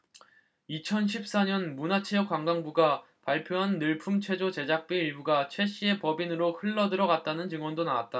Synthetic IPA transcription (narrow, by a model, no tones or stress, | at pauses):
it͡ɕʰʌnɕ̬ʰip̚s͈aɲʌnmunat͡ɕʰejʌk͈waŋɡaŋbuɡa | paɭpʰjoɦanːɯɭpʰumt͡ɕʰwe̞d͡ʑot͡ɕe̞d͡ʑak̚p͈iiɭbuɡat͡ɕʰwe̞ɕ͈ʰie̞pʌbinɯɾohɯɭːʌdɯɾʌɡat̚t͈anɯnt͡ɕɯŋwʌndonawat̚t͈a